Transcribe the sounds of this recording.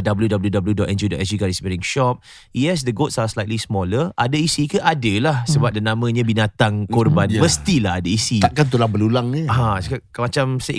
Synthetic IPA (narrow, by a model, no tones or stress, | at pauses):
dabəljudabəljudabəljudɔʔɛnd͡ʒudɔʔɛs̬uɡaɾisbɛɾiŋʃɔp̚ | jɛs̬dəɡotsaslajt̪lismɔləʔadaisikəʔadəlahsəbap̚dənãmə̃ɲãbinat̪aŋkɔrbanməst̪ilahadaisiaʔkant̪̬ulabəlulaŋəãsa | mat͡ʃamseʔ